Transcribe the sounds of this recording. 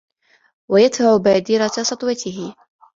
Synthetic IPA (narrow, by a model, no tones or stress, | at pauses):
wajat̪aʕʊbaːd̪ɪɾasˤɑt̪ˤwɑt̪ʰɪɦɪ